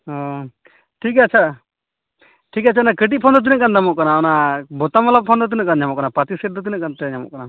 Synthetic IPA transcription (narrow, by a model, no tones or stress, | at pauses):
ɦɔ̃ | ʈʰikat͡ʃʰa | ʈʰikat͡ʃʰanakəʈ̬iʔ̚pʰɔnd̪ɔt̪̬inəʔkand̪amɔʔkanaɔnabɔt̪amɔlab̚pʰɔnd̪ɔt̪inəkanɲamɔʔkanapat̪isəɾd̪ɔt̪inəʔkant̪ɛɲamɔ̰ʔkana